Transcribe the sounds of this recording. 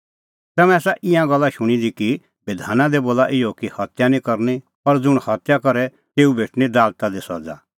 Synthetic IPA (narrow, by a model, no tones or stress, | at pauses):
t̪ɛmɛ̃ɛːsaʔɪjãɡɔlːaʃʊɽ̃id̪iki | bɪd̪ʱaːnãd̪eboːlaʔɪjokihɐt̪janĩkɔɾni | ɔɾd͡zʊɽ̃hɐt̪jakɔɾɛ | t̪eːubʱeːʈʰñid̪aːlt̪ad̪esɔ̰d͡za̰